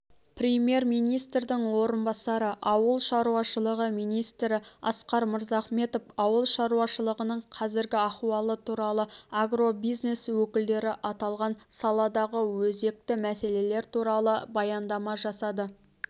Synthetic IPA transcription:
prʲemje̞ɾmijnijst̪rd̪ɪŋwo̞ɾənbɑsɑɾəʔɑwəlˠʃɑɾuɑʃəlˠəʁəmijnijst̪ɾɪɑ̰sqɑɾməɾzɑχme̞t̪o̞fɑwəlˠʃɑɾuɑʃəlˠəʁənəɴqʰɑzɪɾɡʲɪɑχuɑlˠət̪ʰuɾɑlˠəaɡro̞bijzne̞swɵkʲɪld̪e̞ɾɪʔɑt̪ɑlˠʁɑnsɑlˠɑd̪ɑʁəwɵze̞k̚t̪ɪmæse̞le̞le̞ɾt̪uɾɑlˠəbɑjɑnd̪ɑmɑʒɑsɑd̪ə

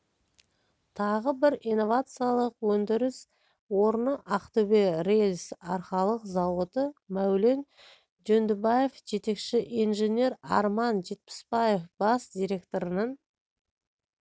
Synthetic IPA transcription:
t̪ʰɑʁəbɪɾijno̞vat̪sɨjalˠəqwɵnd̪ɪɾɪs | woɾnəʔɑqt̪ɵberejlʲsɑɾχɑlˠəqzɑwot̪əmæwle̞n | d͡ʒɵnd̪ɪbaje̞fʒe̞t̪e̞kʃɪʔijnʒe̞nʲe̞ɾɑ̰ɾmɑnʒe̞t̪̚pɪ̥spɑje̞fbɑsd̪ʲiɾʲe̞kt̪o̞ɾənəɴ

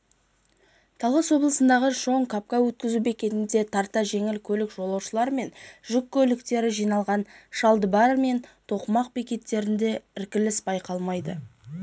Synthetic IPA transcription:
t̪ʰɑlˠʁɑswo̞blˠəsənd̪ɑʁəʒo̞ɴkʰap̚kɑwɵt̪̚kʲɪzubekʲe̞t̪ɪnd̪e̞t̪ʰɑɾt̪ɑʒe̞ŋɪlkʲʰɵlɪkʒo̞lˠɑwʃəlˠɑɾme̞nʒ̥ʏkʲʰːɵlɪkt̪e̞ɾɪʒijnɑlˠʁɑnʃɑlˠd̪əbɑɾme̞nt̪ʰo̞qmɑq̚bekʲe̞t̪ːe̞ɾɪnd̪e̞ɪɾkʲɪlɪsbɑjqɑlˠmɑjd̪ə̰

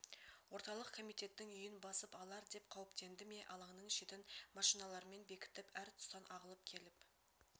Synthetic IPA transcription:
wo̞ɾt̪ɑlˠəqkʰo̞mijt̪e̞t̪ːɪŋʏjɪnbɑsəpɑlˠɑɾd̪e̞pqʰɑwəpt̪e̞nd̪ɪme̞ʔɑlˠɑɴnəɴʃet̪ɪnmɑʃijnɑlˠɑɾme̞nbe̞kʲɪ̥t̪ɪpæɾt̪ʰʊ̥st̪ɑnʔɑʁəlˠəp̚kʲʰe̞lɪp

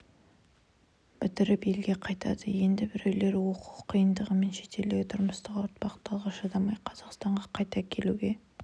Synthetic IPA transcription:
b̥ɪt̪ɪɾɪpe̞lɡʲe̞qʰɑjt̪ɑ̰d̪əje̞nd̪ɪbɪɾewle̞ɾwo̞qu̥qʰːijənd̪əʁəme̞nʃe̞t̪e̞ld̪ɪɡʲɪt̪ʰʊɾməst̪əqʊɾt̪̚pɑqt̪ɑlˠʁəʃɑd̪ɑmɑjqʰɑz̥ɑqst̪ɑɴʁɑqʰɑjt̪ɑkʲʰe̞luɡʲe̞

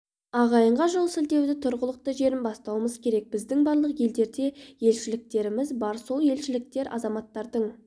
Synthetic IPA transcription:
ɑʁɑjəɴʁɑʒo̞lˠsɪld̪e̞wd̪ɪt̪ʰʊɾʁəlˠəq̚t̪əʒe̞ɾɪmbɑst̪ɑwəməzkʲʰe̞ɾe̞k̚b̥ɪzd̪ɪŋbɑɾlˠəqje̞ld̪e̞ɾd̪e̞je̞lʃɪlɪk̚t̪e̞ɾɪmɪzbɑɾso̞lˠje̞lʃɪlɪk̚t̪e̞ɾʔɑ̰zɑmɑt̪ːɑɾd̪əɴ

